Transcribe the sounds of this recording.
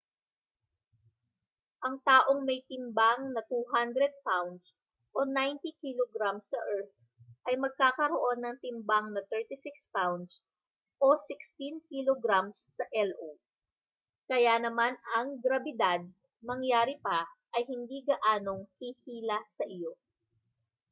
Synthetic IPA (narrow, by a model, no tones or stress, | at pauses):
ʔɐŋt̪aːʔo̞ŋmɐjt̪ɪmbaŋnɐt̪uːɦand̪ɾɛd̪̚pawnd̪s | ʔo̞najnt̪ikiloɡɾamsːɐʔɛɹt̪̚ | ʔɐjmɐɡ̚kaːkɐɾo̞ʔo̞nːɐŋt̪ɪmbaŋnɐt̪ɛɹt̪ɪsɪkspawnd̪s | ʔo̞sɪkst̪inkiloɡɾamsːɐʔɛlʔo | kɐjanɐmanɐŋɡɾɐbɪd̪ad̪̚ | mɐŋjaːɾɪpaʔɐjhɪnd̪iɡɐʔaːno̞ŋhihiːlɐsɐʔɪjo̞